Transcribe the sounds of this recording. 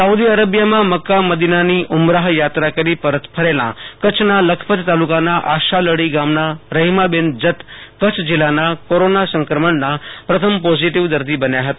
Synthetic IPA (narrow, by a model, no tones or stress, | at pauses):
səud̪iəɾəbjamãməkːaməd̪inaniːʔumɾaɦjat̪ɾakəɾiːpəɾət̪pʰəɾelã̰kət͡ʃʰnaləkʰpət̪t̪alukanaʔaʃaləɽiːɡamnaɾəɦimabend͡zət̪kət͡sʰd͡ʑilanakoɾonasə̃ŋkɾəməɳnːapɾət̪ʰəmpɔziʈiʋd̪əɾd̪iːbənjaɦət̪a